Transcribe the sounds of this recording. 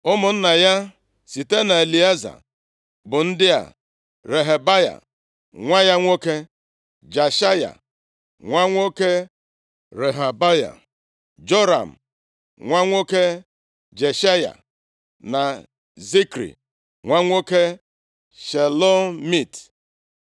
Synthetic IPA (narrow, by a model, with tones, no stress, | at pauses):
ʊ˦mʊ˨n̩˦na˨ja˦ | si˨te˦na˨e˨li˨e˦za̰˨ | bʊ˨n̩˦dɪ˦a̰˨ | ɾe˨ɦe˨ba˦ja̰˨ | ŋʷa˦ja˦ŋʷo˦ke˦ | d͡ʒa˨ʃa˦ja̰˨ | ŋʷa˦ŋʷo˦ke˦ | ɾe˨ɦa˨ba˦ja̰˨ | d͡ʒo˦ɾa̰˨m̩˨ | ŋʷa˦ŋʷo˦ke˦ | d͡ʒe˨ʃa˦ja̰˨ | na˨ | zi˦kɾḭ˨ | ŋʷa˦ŋʷo˦ke˦ | ʃe˨lo˦mi˦˨t